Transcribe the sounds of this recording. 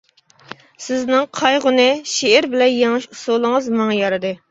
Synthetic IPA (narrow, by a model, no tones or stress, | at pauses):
sɪznɪŋqʰɑjʁʊnɨʃeːɾbɪlɛnjeŋɨʃusulˠɨŋɨzmɨŋɨjɑɾɨd̪ɨ